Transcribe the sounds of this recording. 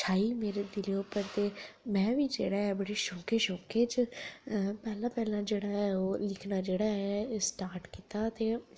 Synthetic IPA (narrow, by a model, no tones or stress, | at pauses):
t͡ʃʰaːiːmeːɾeːd̪ɪleːopəɾt̪eːmɛ̃ːʋiːd͡ʒeːɽaːɛːbəɽeːʃoːkeːʃoːkeːd͡ʒ | pɛːlãːpɛːlãːd͡ʒeːɽaːɛoːlɪkʰnaːd͡ʒeːɽaːɦɛsʈaːɾʈkiːt̪aːt̪eː